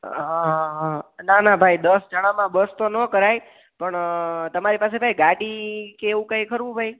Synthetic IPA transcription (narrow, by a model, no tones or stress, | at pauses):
ɦaɦnanabʱaid̪əsd͡ʒəɽ̃ãmãbəst̪onəkəɾaj | pəɳt̪əmaɾipasebʱaiɡaʈikeeʋũkəjkʰəɾʋũbʱai